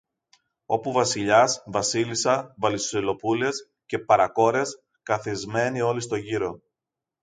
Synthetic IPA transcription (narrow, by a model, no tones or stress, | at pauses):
o̞̰puvɐsiʎɐsvɐsilisɐvɐlisolo̞pule̞s | ce̞pɐɾɐko̞ɾe̞s | kɐθizme̞nio̞list̪o̞ʝiɾo̞